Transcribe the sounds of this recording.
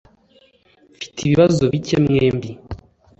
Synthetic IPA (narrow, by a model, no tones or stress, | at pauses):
fi̥tʰiβiβazoβicemŋeːmbi